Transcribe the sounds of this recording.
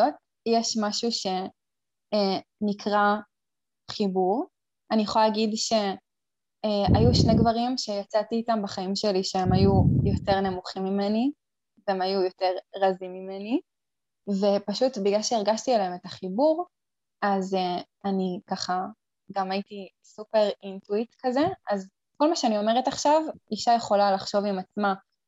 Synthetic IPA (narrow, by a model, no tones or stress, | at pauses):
ot̚ | jeʃmaʃuʃe̞ | enikʰʁa | χibuʁ | anijeχoalaɡidʃe̞ | ajuʃne̞ɡvaʁimʃe̞jat͡satiːtambaχaimʃe̞liʃeemajujo̞te̞ʁne̞muχimːime̞ni | veemajujo̞te̞ʁʁazimːimeni | ve̞paʃutbiɡlalʃeiʁɡaʃtilaeme̞taχibuʁ | aze | anikaχa | ɡamaiti | supe̞ʁintuitkaze̞az | ko̞lmaʃeanio̞meʁetaχʃaviʃajeχo̞lalaχʃo̞vimat͡sma